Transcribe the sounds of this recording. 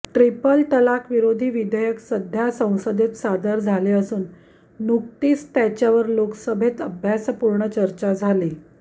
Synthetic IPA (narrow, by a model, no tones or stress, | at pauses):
ʈɾipəlʈ̪əlakʰʋiɾod̪ʱiːʋid̪ʱəjəksəd̪ʱjasə̃w̃səd̪et̪sad̪əɾd͡zʱaleəsuːnː | uk̚t̪iːst̪jat͡ɕjaʋəɾloksəbʱet̪əbʱjaspuɾɳət͡ɕəɾt͡ɕad͡zʱali